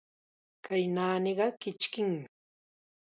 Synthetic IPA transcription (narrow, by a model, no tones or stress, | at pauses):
kajnaːnɪɢɑkɪt͡ʃkɪŋmɪ